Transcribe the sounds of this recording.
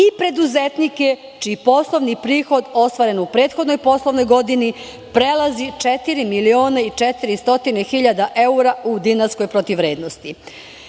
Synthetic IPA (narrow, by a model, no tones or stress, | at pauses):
ipɾe̞d̪uzet̪nike̞ | t͡ʃiːpo̞slˠo̞ʋnipɾiːxo̞d̪o̞st̪ʋaɾe̞nupɾe̞ːt̪xo̞d̪no̞jpo̞slˠo̞ʋno̞jɡo̞d̪ini | pɾelˠazit͡ʃet̪iɾimilio̞ːnait͡ʃet̪iɾist̪o̞t̪inexiʎad̪aʔe̞uɾaud̪inaɾsko̞jpɾot̪iʋɾe̞ːd̪nost̪i